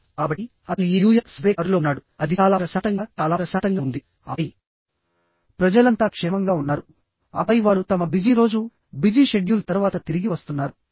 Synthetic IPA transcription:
kaːbɐʈi | ɐt̪ɐniiɾuːjɐksʋɛːaɾulo̞ːnːaːɽuɐd̪ʱiaːlaːpɾɐsaːt̪ɐŋɡaːt͡ʃaːlaːpɾɐsaːt̪ɐŋɡaːund̪i | ɐ̰j | pɾɐd͡ʒɐlɐnt̪aːkʂɛːmɐŋɡaːunːaːɾu | ɐ̰bɐjʋaːɾut̪ɐmɐbid͡ʒiɾo̞ːd͡ʒu | bid͡ʒiːʃeɖjult̪ɐɾuʋaːt̪ɐt̪iɾiɡiʋɐst̪unːaːɾu

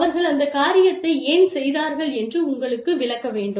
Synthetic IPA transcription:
ʋɐɾɣɐɭɐnd̪ɐkaːɾɪjɐt̪ːɐɪeːnsɛjðaːɾɣɐɭɛndrɯʊŋɡɐɭɯkːɯʋɪɭɐkːɐʋeːɳɖɯ

